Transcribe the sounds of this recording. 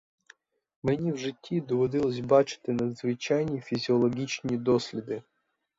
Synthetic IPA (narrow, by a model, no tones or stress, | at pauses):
mɨnʲivʐɨtʲʰːid̪ɔvɐd̪ilˠəs̬ʲbat͡ʃɪ̥t̪ɨnɐd̪zvɨt͡ɕajnʲɪjfʲizʲɪolˠɐɡʲit͡ɕnɨjəd̪osʲlʲɪd̪ɨ